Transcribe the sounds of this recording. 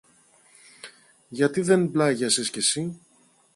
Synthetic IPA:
ʝɐt̪iðe̞nblɐʝɐsiscesi

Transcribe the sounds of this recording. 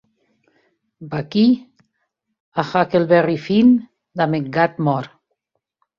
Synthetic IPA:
baki | axakelβɛrifin | d̪ameŋɡat̪mɔɾ

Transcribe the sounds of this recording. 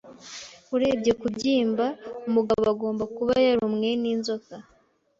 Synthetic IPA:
uɾe̞bɟe̞kubɟiːmbaumuɡaβoaɡo̞ːmbakuβajaɾumŋe̞niːnzo̞ka

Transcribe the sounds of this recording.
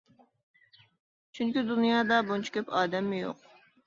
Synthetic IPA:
t͡ʃʰyŋkʲyd̪unijɑːd̪ɑbont͡ʃʰi̥kʲʰøpʰɑːd̪ɛmːɪjo̰q

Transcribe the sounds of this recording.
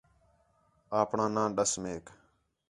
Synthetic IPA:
aːpɳãːnãːɗəsmeːk

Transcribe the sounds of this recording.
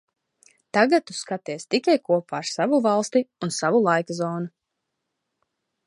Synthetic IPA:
t̪aɡat̪ːuskat̪iɛst̪ikajkuɔpaːɾsavuvalˠst̪iunsavulˠajkazɔːnu

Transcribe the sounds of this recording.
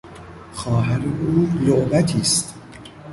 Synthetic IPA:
xɒːɦæɾeʔuːloʔbæt̪ʰiːst̪

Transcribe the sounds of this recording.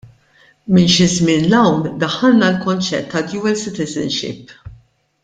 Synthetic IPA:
mɪnʃɪzmɪːnlɐwnd̪ɐħːɐlnɐlkɔnt͡ʃɛ̰t̪ːɐd̪juːɛlsɪt̪ɪzɛ̰nʃɪ̰p

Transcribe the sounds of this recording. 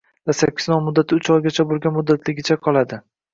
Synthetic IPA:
d̪̥asakʲːɪ̥znɒnmʊd̪ːat̪ʰɪʊt͡ʃɒjɡʲat͡ʃʰabolˠɡʲanmʊd̪ːat̪ʰlɪɡʲɪt͡ʃʰaqʰɒlˠad̪ɪ

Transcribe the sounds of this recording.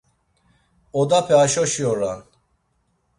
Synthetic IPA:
ɔd̪apʰɛaʃɔʃiɔɾa

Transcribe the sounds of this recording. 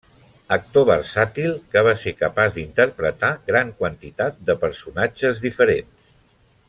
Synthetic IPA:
ək̚t̪oβ̞ərsat̪ilˠkəβasekəpazd̪int̪əɾpɾət̪aɣɾaŋkwənt̪it̪at̪̚d̪əpəɾsunad͡ʒəzðifəɾens

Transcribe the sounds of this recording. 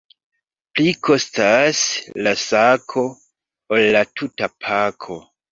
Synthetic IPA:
plikʰo̞staslasakʰo̞ | olːatʰutapʰakʰo̞

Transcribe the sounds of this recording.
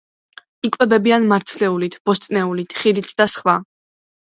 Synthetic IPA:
ikʼvɛbɛbianmaɾt̪sʰlɛulit̪ʰb̥ɔst̪ʼnɛulit̪ʰχiɾit̪ʰd̪̥asχwa

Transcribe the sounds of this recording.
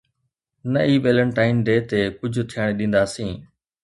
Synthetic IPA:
nəiːʋeːləɳʈaːɪnɖeːt̪eːkʊd͡ʑʱʊt̪ʰijəɽ̃eɗĩːn̆d̪aːsĩː

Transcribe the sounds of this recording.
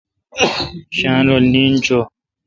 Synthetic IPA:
ɕãːnolniːnt͡ɕo

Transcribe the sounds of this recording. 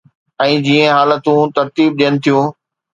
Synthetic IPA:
ɛ̃ːd͡ʑiːə̃ɦaːlət̪ũt̪ɐɾt̪iːb̚ɗijənɪ̆t̪ʰijũː

